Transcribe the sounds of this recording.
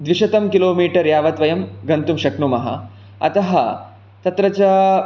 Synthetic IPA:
d̪ʋiʂɐt̪ɐmkiloːmiːʈɐɾjaːʋɐt̪ʋɐjɐmɡɐnt̪umʃɐkɳumɐɦɐ̰ | ɐ̰t̪ɐɦɐ | t̪ɐt̪ɾɐt͡ɕa

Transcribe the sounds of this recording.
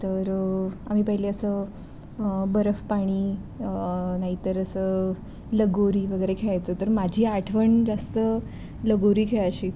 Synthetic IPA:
t̪əɾam̤iːpəɦileəsə | bəɾəfpaɽ̃iː | naɦit̪əɾəsəː | ləɡoɾiːʋəɡəjɾekʰeɭajt͡sət̪əɾmad͡ʑʱiːaʈʰʋəɳd͡ʑast̪ə | ləɡoɾiːkʰeɭaɕiː

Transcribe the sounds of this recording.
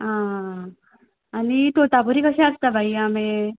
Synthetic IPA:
ɦã | anit̪ot̪apuɾikaʃast̪abʱaiamẽ

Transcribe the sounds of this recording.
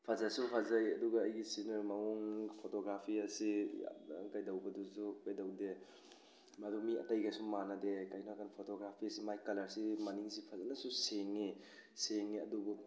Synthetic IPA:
pʰazasupʰazɐjɐduɡɐːjɡisinɯmɐuŋpʰotoɡɾapʰiɐsija̰kajdɐwbɐdusubedɐwde | madumiɐ̰tɐjɡajsumanɐdekajnakanpʰotoɡɾapʰiɐsimajkɐlɐɾsimɐniŋsipʰazanɐsuseŋːi | seŋːiɐdubu

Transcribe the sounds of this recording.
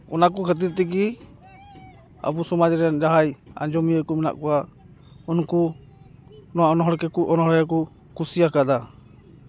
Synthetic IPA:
ɔ̰nakɔkʰət̪̬iɾt̪ɛk̬i | a̰busɔmad͡ʒɾɛnd͡ʒaɦaja̰nd͡ʒɔmiəkɔmɛna̰ʔkɔwa | unku | nɔwaɔnɔɦɔɽkɛkuʔɔnɔɦɔɽjakɔ | kusijakad̪a

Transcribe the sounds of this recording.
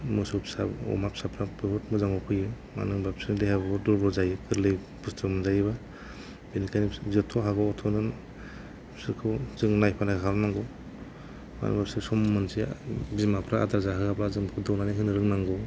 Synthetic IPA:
mɯsɔpsaɔ̰map̚sapʰɾapɯhut̚mɯzaŋɔpʰɯjɯ | ma̰nɯŋbapsɯnlihabdɔɾbɾɔzajɯkʰɯɾlɯj | bustʰɯmzajβa | benikʰanizetʰɔɦaβaɔtʰɔnɯn | sɯɾkʰɯwzɯŋnajpʰanakʰaɾɔnaŋɡɔ | ma̰n̰bapsɯsɔmːɯnsibizmapʰɾaa̰daɾzaɦɯabɾazɯŋbkʰɯdɔwnaniɦɯnɯɾɯŋnaŋɡɔ

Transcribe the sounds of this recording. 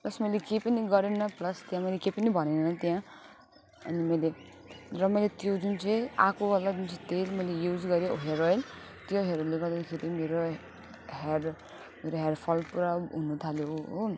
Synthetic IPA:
plʌsmʌjlekepʌniɡʌɾenʌplʌst̪jãmʌjlekejpʌnibʱʌnenʌt̪jã | ʌ̰nimʌjle | rʌmʌjlet̪jod͡zunt͡sʌ̃j̃a̰kʰowalad͡zunt͡sʰʌ̃t̪elmʌjlejud͡zɡʌɾjoɦeɾojl | t̪joɦeɾojlːeɡʌɾd̪akʰeɾimeɾo | ɦer | meɾoɦerpʰʌlpuɾaɦunut̪ʰaljoo

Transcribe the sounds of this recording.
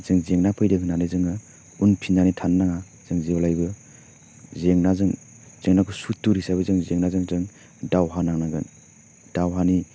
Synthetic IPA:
z̥ɯŋzeŋnapʰɯjdɯɦɯnanɯzɯŋɯ | unpʰinzanitʰanːaŋa | z̥ɯŋzebalajbɯ | zeŋnazɯŋ | z̥eŋnakʰusutːuɾisabɯzɯŋzeŋnazɯŋzɯŋ | dawɦanaŋnaɡɯn | d̥awɦani

